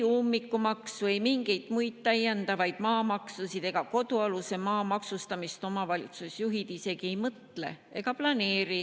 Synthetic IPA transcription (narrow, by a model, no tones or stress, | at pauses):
uːmːikːˑumɑksuejmiŋɡ̥e̞jd̪mujt̪̚t̪ːɑjːend̪ɑvɑjd̪̥mɑːmɑksusid̪̥e̞ɡ̥ɑko̞d̪uɑluse̞mɑːmɑksust̪ɑmist̪o̞mɑvɑlit̪susjuɦid̪̥ise̞ɡ̥ie̞jmɤt̪le̞̰ | e̞ɡ̥ɑplɑne̞ːɾi